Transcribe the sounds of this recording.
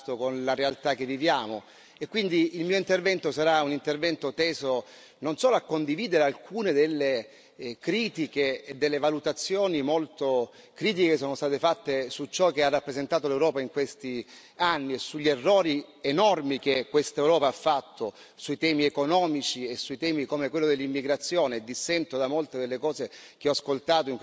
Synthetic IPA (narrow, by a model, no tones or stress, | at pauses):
t̪okonlaɾealt̪ak̟ːevːivjaːmo | ekːwind̪iːlmiːoint̪ervɛnt̪osaɾaunint̪ervɛnt̪ot̪ɛːzo | nonsɔːloakːond̪iviːd̪eɾealkʰuːned̪elːe | kɾiːt̪ik̟eːd̪ːelːevalut̪at̪sːjoːnimolt̪o | kɾiːt̪ikekes̬oːnost̪aːt̪efat̪ːesut͡ʃɔk̟earːapːɾezent̪aːt̪̬olewɾɔːpaiŋkwest̪i | anːiesuʎːerːɔːɾienɔrmik̟ekːwest̪aewɾɔːpaafːat̪ʰːosuit̪ɛːmiekonɔːmit͡ʃiesːuit̪ɛːmikomekwelːod̪elːimːiɡɾat̪sːjoːned̪ːisːɛnt̪od̪amolt̪ed̪elːekɔːzek̟eɔaskolt̪aːt̪̬oiŋk